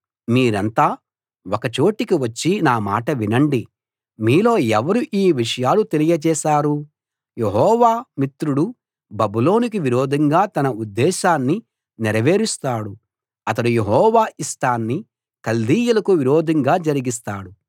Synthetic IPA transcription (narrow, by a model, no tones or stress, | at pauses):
miːɾɐnt̪aː | ɔkɐt͡ʃo̞ːʈikiʋɐt͡ʃːinaːma̰ːʈɐʋinɐɳɖi | miːlo̞ːɛʋɐɾuʔiːʋiʂɐjaːlut̪e̞lijɐt͡ʃɛːʃaːɾu | jeɦɔːʋaːmit̪ɾuɽu | bɐbulo̞ːnik̬iʋiɾoːd̪ʱɐŋɡaːt̪ɐnɐud̪ːɛːʃaːnːi | niɾɐʋe̞ːɾist̪aːɽu | ɐt̪ɐɽujeɦɔːʋaːʔisʈaːnːi | kɐld̪iːjɐlɐkuʋiɾoːd̪ʱɐŋɡaːd͡ʒɐɾiɡist̪aːɽu